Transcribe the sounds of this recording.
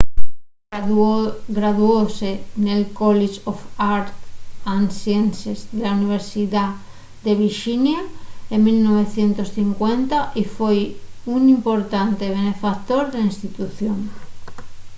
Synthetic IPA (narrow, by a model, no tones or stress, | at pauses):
ɡɾaðuosenelkoliʃofaɾt̪ansjensezðelauniβ̞eɾsiða | d̪e̞β̞iɾʃinjaemilnoβ̞e̞θje̞nt̪osθiŋkwent̪aʔifwojunĩmpoɾt̪ant̪eβ̞ene̞fakt̪oɾðeainst̪it̪uθjoŋ